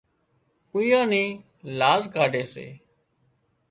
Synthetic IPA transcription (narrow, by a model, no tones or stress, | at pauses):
pujõːniː | laːzɡʱaːɖeːsḛː